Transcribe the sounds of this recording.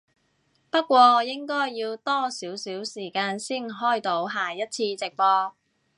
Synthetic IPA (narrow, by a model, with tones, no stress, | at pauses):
pɐ˥t̚kʷɔː˧˨jɪ˥ŋkɔː˥jːiː˧wt̪ɔː˥siː˨˥wsiː˨˥wsiː˨˩kaː˧nsiː˥˩nɦɔː˥˩jt̪o˨˥wɦaː˨˩jɐ˥t̚t͡sʰiː˧t͡sɪ˨k̚pɔː˧